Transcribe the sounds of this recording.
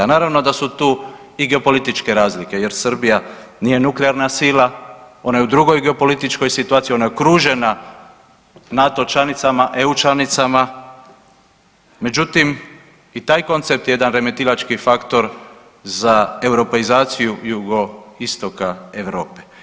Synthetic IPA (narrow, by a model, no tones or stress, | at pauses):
anaːɾaʋno̞d̪asut̪uː | iɡe̞o̞po̞lit̪it͡ʃke̞ɾaːzlike̞je̞ɾsr̩bija | niːje̞nukleaɾnasilao̞najeud̪ɾuɡo̞jɡeo̞po̞lit̪it͡ʃko̞jsit̪uaːt̪sio̞najekɾuːʒe̞na | nat̪o̞t͡ʃlanit̪samaʔeut͡ʃlanit̪sama | me̞d͡ʒut̪im | it̪aːjko̞nt̪sep̚t̪jeed̪anɾeme̞t̪ilat͡ʃkifakt̪o̞ɾ | zae̞wɾo̞peizaːt̪sijujuɡo̞ist̪o̞kaeʋɾo̞ːpe